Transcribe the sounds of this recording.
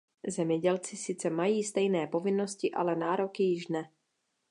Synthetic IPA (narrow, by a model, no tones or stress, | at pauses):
zɛmɲɛɟɛlt͡sɪsɪt͡sɛmajiːst̪ɛjnɛːpo̞vɪnːo̞scɪʔa̰lɛnaːɾo̞kɪjɪʃnɛ